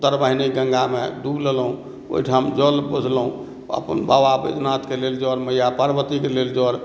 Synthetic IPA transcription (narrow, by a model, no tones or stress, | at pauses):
t̪əɾbəɦiniɡə̃ŋɡamḛd̪ubləlɦũ | o̰iʈʰamd͡ʒəlbud͡ʒʱləɦũ | ə̰pə̰nba̰ʋabḛd̪nat̪keleld͡ʒɔɾməjapəɾbət̪ikeleld͡ʒɔɾ